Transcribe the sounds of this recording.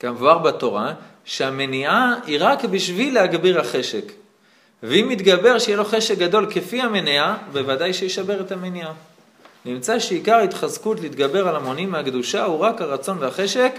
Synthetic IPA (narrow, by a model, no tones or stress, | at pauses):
ɡ̥avoaʁbato̞ʁa | ʃeame̞niaiʁakbiʃvilehaɡbiʁhaχe̞ʃek | veimit̪ɡabe̞ʁʃejelo̞χe̞ʃek̚ɡado̞lke̞fiame̞niabe̞vadajʃejeʃabe̞ʁetamenia | nimt͡saʃeikaʁit̪χazkutleit̪ɡabe̞ʁalamonimːeakd̪uʃauʁakhaʁat͡so̞nveaχe̞ʃe̞k